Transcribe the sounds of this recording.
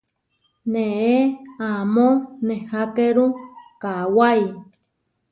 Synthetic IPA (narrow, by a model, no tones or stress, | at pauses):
neeamõnehakeɾukawaj